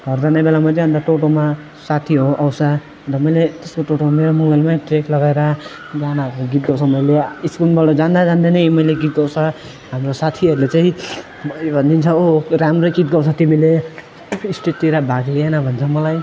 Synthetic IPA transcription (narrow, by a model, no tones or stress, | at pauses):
ɡʱʌɾd͡zanabelamat͡sʌɦʌnd̪aʈoʈoma | sat̪ʰiɦoʔawsʰa | tʌmʌjlet̪eskoʈoʈomameɾomʌŋɡʌlmaʈeklʌɡaeɾʌ | d͡zanaoɡit̪̚ɡʌwsʰʌmʌjleiskulbʌɖʌd͡zand̪ad͡zand̪enʌjmʌjleɡit̪̚ɡʌwt͡sʰʌ | ɦamrosat̪ʰiʌɾulet͡saĩ | bʱʌnd̪int͡sʰʌoɾamɾokit̪̚ɡʌwt͡sʰʌt̪imile | isʈet̪iɾabʱaɡlienʌbʱʌnt͡sʰʌmʌlaj